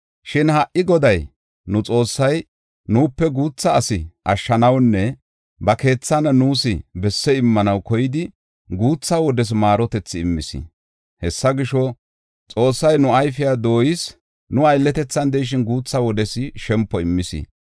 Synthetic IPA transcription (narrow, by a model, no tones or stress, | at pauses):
ʃɪnhɐʔʔɪɡɔd̪ɐj | nʊt͡sʼo̞ːsːɐj | nuːpːɛɡuːt͡sːɐːsɪʔɐʃːɐnɐwnːɛ | bɐke̞ːt͡sːɐnɐnuːsɪbɛsːɛɪmːɐnɐwkɔjɪd̪ɪ | ɡuːt͡sːawɔd̪ɛs̬maːɾɔt̪ɛt͡sːɪɪmːɪsɪ̰ | hɛsːɐɡɪʃɔ | t͡sʼo̞ːsːɐjnʊɐjfɪjad̪o̞ːjɪs | nʊɐjlːɛt̪ɛt͡sːɐnd̪ɛjʃ̬ɪnɡuːt͡sːɐwɔd̪ɛsɪʃɛmpːɔɪmːɪsɪ̰